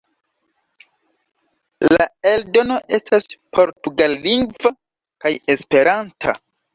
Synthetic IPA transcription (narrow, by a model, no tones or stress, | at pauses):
laeldo̞no̞ʔe̞staspʰo̞ɾtuɡalːiŋɡva | kajespe̞ɾantʰa̰